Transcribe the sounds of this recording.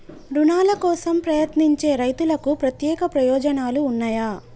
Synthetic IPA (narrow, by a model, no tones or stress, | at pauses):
ɾunaːlɐkɔːsɐmpɾɐjɐt̪niɲt͡ʃe̞ːɾɐjt̪ulɐkupɾɐt̪jɛːkɐpɾɐjɔːd͡ʒɐnaːluːnːaːjaː